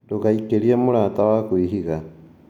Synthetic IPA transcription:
dukaikeliemuɾaːtawakwiɦiɣa

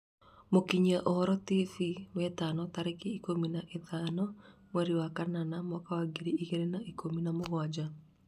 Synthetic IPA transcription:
mokiɲaʔɔhɔɾɔtifiwɛtanɔtaɾekiikominaʔeðaːnɔmwɛɾiwakananamɔkawaɡiɾiiɣeɾenaikominamoɣwad͡ʒa

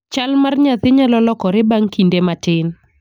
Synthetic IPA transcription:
t͡ʃalmarɲat̪ɪɲalɔlɔkɔɾɪbaŋkindematɪn

